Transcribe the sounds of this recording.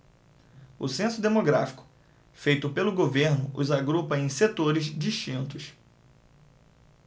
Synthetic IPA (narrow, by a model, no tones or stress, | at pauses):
ʊsẽsʊd̪emoɡɾafi̥kʊ̥ | fejt̪ʊpelʊɡoveɾnʊʔʊzaɡɾupɐẽj̃set̪oɾɪzd͡ʒiʃt͡ʃĩnt̪ʊs